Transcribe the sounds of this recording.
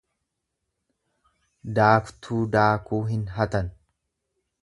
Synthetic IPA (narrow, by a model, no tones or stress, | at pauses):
d̪aːkt̪ʰuːd̪aːkuːɦɪnɦɐt̪ɐn